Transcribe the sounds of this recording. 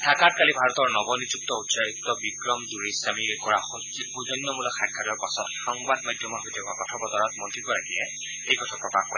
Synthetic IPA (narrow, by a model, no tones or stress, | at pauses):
dʰʱakat̚kalibʱaɹɔtɔɹnɔbɔnizuk̚tɔutsaik̚tɔbikɹɔmduɹisamikɔɹa | uzɔnːɔmulɔxaɡʱaɾɔɹpasɔtxɔŋbadmajdʱjɔmɔɦojtɛkaɡɔtʰɔbɔtɔɹɔt̚mɔntɹikɔɹakiɛ | ejɡɔtʰɔpɹɔkaxkɔ̰